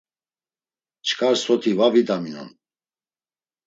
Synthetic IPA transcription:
t͡ʃʰkʰaɾsɔt̪ʰivavid̪aminɔ̰n

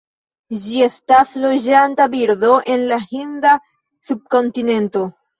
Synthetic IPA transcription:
d͡ʒie̞staslo̞d͡ʒantabiɾdo̞ʔe̞nlahinda | sub̚ko̞ntine̞nto̞

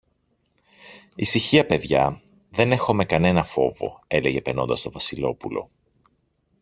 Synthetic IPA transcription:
isiçiɐpe̞ðʝɐ | ðe̞ne̞xo̞me̞kɐne̞nɐfo̞̰vo̞̰e̞le̞ʝe̞peɾno̞nd̪ɐst̪ovɐsilo̞pulo̞̰

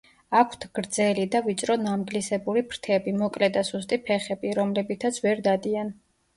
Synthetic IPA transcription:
akʰt̪ʰɡ̥ɾd̪zɛlid̪avit͡ʃʼɾɔnamɡlisɛbuɾipʰɾt̪ʰɛbimɔkʼlɛd̪asust̪ʼipʰɛχɛbiɾɔmlɛbit̪ʰat̪sʰvɛɾd̪ad̪ian

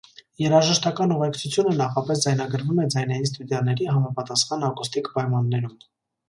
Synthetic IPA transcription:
jɛɾɑʒəʃt̪ɑkɑnuʁɛkt͡sʰut͡sʰjunənɑχɑpɛsd͡zɑjnɑɡəɾvumɛd͡zɑjnɛjins̬t̪ud̪jɑnɛɾiɦɑmɑpɑt̪ɑsχɑnɑkust̪ikpɑjmɑnːɛɾum

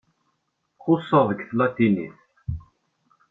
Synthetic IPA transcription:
qʊsˤːəðˤəɡθlæt̪ːinḭθ

